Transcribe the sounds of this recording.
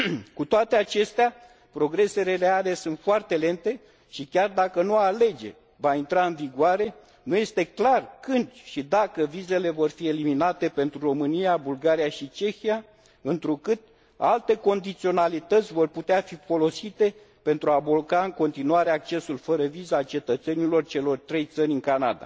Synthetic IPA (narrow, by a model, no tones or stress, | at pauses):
kut̪oat̪e̞at͡ʃe̞st̪ea | pɾo̞ɡɾe̞se̞ɾereale̞sunt̪foart̪e̞le̞nt̪e̞ | ʃikʲard̪akənuale̞d͡ʒe̞̰ | vaint̪ɾaɨnviɡoaɾe̞ | nuje̞st̪e̞klarkɨnd̪ʃid̪akəvize̞le̞vo̞rfie̞liminat̪e̞pe̞nt̪ɾuro̞mɨnijabulɡaɾijaʃit͡ʃe̞xija | ɨnt̪ɾukɨt̪̚ | a̰lt̪e̞ko̞nd̪it̪sio̞nalit̪ət̪sʲvo̞rput̪eafifo̞lo̞sit̪e̞ | pe̞nt̪ɾuabolkaɨŋko̞nt̪inuaɾe̞ak̚t͡ʃe̞sulfəɾəvizat͡ʃe̞t̪ət̪se̞nilo̞rt͡ʃe̞lo̞rt̪ɾe̞jt̪sənʲɨŋkanad̪a̰